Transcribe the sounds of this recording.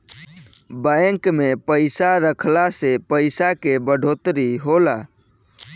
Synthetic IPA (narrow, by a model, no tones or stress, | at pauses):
bajŋkmepəɪsaɾəkʰlasepəɪsakebəɖʱot̪ɾiɦola